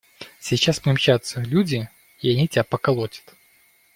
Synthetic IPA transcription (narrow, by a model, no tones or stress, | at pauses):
sʲit͡ɕaspnʲimt͡ɕːat̪səlʲudʲɪ | iɐnʲitʲapɐkɐlˠotʲə̥t̪